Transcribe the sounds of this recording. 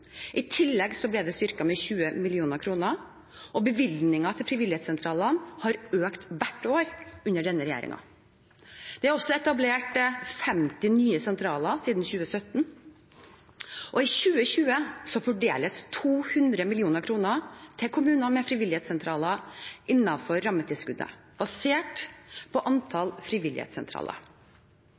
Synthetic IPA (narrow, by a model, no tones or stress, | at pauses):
ʔɪt̪ʰɪlːɛɡsɔblɛd̪ɛst̪ʏɾkɑmɛçʉːəmɪlɪuːnəɾkʰɾuːnə | ʔɔbəʋɪlnɪŋɑt̪ʰɪlfɾɪʋɪlɪhɛːt̪sɛnt̪ʰɾɑːlɑnhɑɾøːkt̪ʋæʈːoːɾʔʉnːəɖɛnːəɾɛjæ̰ːɾɪ̰ŋɑ̰ | d̪̥ɛæɾɔsːɔɛt̪ɑbleːʈfɛmt̪ɪnyːəsɛnt̪ʰɾɑːlɑsiːd̪n̩çʉːəsœt̪n̩ | ʔɔɪçʉːəçʉːəsɔfɔɖḛːləst̪ʰuːhʉnd̪ɾəmɪlɪuːnəɾkʰɾuːnət̪ʰɪlkʰʊmʉːnəmɛfɾɪːʋɪlɪhɛːt̪sɛnt̪ʰɾɑːləʔɪnːɑfɔɾːɑmːət̪ʰɪlskʉd̪ə̰ | b̥ɑseːʈpʰɔʔɑnt̪ʰɑlfɾɪʋɪlɪht̪sɛnt̪ʰɾɑ̰ːlə̰